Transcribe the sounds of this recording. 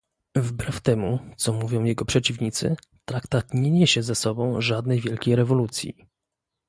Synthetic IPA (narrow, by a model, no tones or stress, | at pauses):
vbɾɛft̪ɛmut̪sɔmuvʲjɔ̃w̃jɛɡɔpʂɛt͡ɕivɲit̪sɘ̰ | t̪ɾakt̪at̪ɲɛɲeɕɛzasɔbɔ̃w̃ʐad̪nɛjvʲjɛlkʲejɾɛvɔlut̪sʲjḭ